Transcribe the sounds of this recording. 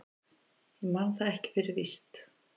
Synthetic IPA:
ɛmanθaðɛhcɪ̥fɛːɾɪvist̪

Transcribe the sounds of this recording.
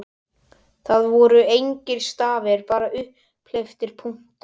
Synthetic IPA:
θaðvɔɾʏejɲcɪɾ̥st̪aːvɛɾpaːɾaʔʏhp | left̪ɪɾ̥pʰuŋ̥t̪

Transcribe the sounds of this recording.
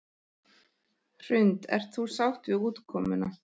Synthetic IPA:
r̥ʏnt̪ɛ̰ɾ̥t̪θu̥sawht̪vɪuːt̪kʰɔːmʏna

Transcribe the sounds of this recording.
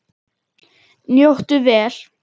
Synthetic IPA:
njowht̪ʏvɛːl̥

